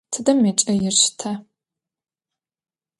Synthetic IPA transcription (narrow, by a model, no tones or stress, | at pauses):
tʰɨdɐmet͡ʃʼɐjɪɕtʰa